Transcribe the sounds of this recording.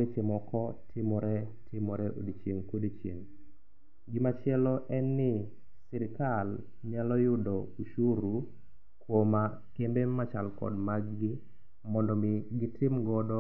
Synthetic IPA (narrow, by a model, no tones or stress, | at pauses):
et͡ʃemɔkɔtʰɪmɔɾɛtʰɪmɔɾɛʔo̰dit͡ʃjeŋkodit͡ʃjeŋ | ɡɪmat͡ʃjɛlɔʔɛnːɪ | siɾɪkal | ɲalɔjʊdɔuʃuɾu | kwoma | kembemat͡ʃalkɔ̰dmaɡɡɪ | mɔndɔmɪɡɪtɪmɡɔdɔ